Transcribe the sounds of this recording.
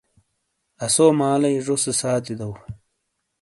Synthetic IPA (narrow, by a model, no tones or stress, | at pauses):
ɐsomaːlɐjʐosesaːt̪id̪ɐw